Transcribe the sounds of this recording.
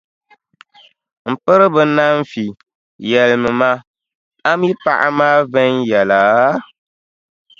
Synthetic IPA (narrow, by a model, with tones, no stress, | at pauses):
m̩˨pɨ˦ɾɨ˦bɨ˨na˦ɱ˦fi˨ | jɛ˨lmɨ˨ma˦ | a˦mi˦pa˦ʔa̰˦maː˦vɛ˦njɛ˨laː˨